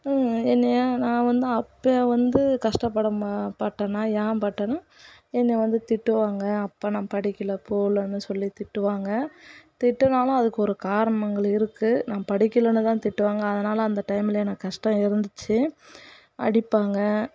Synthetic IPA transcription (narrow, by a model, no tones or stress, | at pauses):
ɛnːɐjaːnãːʋɐnd̪ɯɐpːeʋɐnd̪ɯkɐʂʈɐpːɐɽɐmpɐʈːɐnãːjaːpɐʈːɐnaː | ɛnːɐʋɐnd̪ɯt̪ɪʈːɯʋaːŋɡɐːpːaːnãːpɐɽɪkʲːɪlɐpʰoːlɐnːɯsɔlːit̪ɪʈːɯʋaːŋɡɐt̪ɪʈːɐnaːlɐ̃ɐðɯkːɯɔɾɯkaːɾɐɳɐŋɡɐɭɪɾɯkːɯnaːpɐɽɪkːɪlɐnɯt̪ãːt̪ɪʈːɯʋaːŋɡɐːðɐnaːlɐːnd̪ɐʈɐɪmɪlɐɛnːɐkɐʂʈɐ̃ɪɾɯnd̪ɯt͡ʃːɯ | ɐ̰ɽɪpːaːŋɡɐ